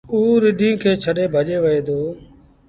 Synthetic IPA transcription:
uːɾɪɗʱĩːkʰeːt͡ʃʰəɗeːbʱəʄeːʋəeːd̪oː

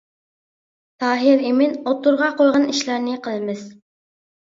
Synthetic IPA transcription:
t̪ʰɑːɦɪɾimɪnot̪uɾʁɑqojʁɑniʃlˠɑɾnɪqʰəlˠɨmɪz̥

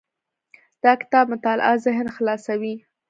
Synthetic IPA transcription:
d̪̥ɑkɪ̥t̪ɑb̚mʊt̪ɑl̰ʔazɪɦnxlɑsawi

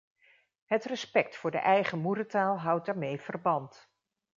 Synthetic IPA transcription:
ɦətrəspɛk̚tfʊːɹdə̰ʔɛjχəmuɾətaːlˠɦʌwt̚daːɹmejv̥ərbɑnt

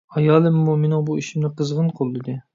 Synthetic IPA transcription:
ɑjɑːlˠɨmːumenɪŋbuiʃimnɪqʰəzʁənqʰolˠːɨd̪ɨ

